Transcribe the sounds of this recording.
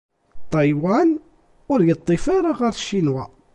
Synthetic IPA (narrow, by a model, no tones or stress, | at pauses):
t̪ˤːɑjwæn | ʊɾʝət̪ˤːifaɾˤaʁaɾʃːinwæ